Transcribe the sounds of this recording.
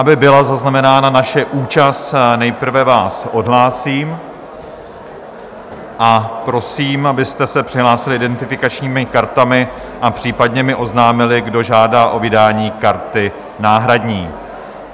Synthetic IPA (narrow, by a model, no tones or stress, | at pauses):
ʔabɪbɪlazaznamɛnaːnanaʃɛʔuːt͡ʃast̪nɛjpr̩vɛvaːsʔo̞dɦlaːsiːm | ʔapɾo̞siːmʔabɪst̪ɛsɛpr̥ɪɦlaːsɪlɪʔɪdɛnt̪ɪfɪkat͡ʃɲiːmɪkaɾt̪amɪ | ʔapr̝̥iːpadɲɛmɪʔo̞znaːmɪlɪɡdo̞ʒaːdaːʔo̞vɪdaːɲiːkaɾt̪ɪ | naːɦɾadɲiː